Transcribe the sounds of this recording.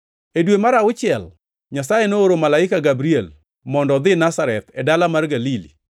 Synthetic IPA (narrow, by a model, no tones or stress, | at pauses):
edwemaɾaʊt͡ʃɪɛl | ɲasajenooɾomalaɪkaɡabɾiɛl | mɔndɔd̪ɪnasaɾɛt̪ɛdalamarɡalilḭ